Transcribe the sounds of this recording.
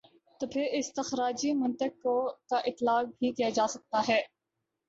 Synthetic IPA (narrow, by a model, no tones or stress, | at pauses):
t̪oːpʰɪɾɪst̪ɪxɾaːd͡ʒimɐ̃nt̪ɪk̚kokaʔɪt̪ːlaːk̚bʱikijad͡ʒaːsɐk̚t̪aɦɛː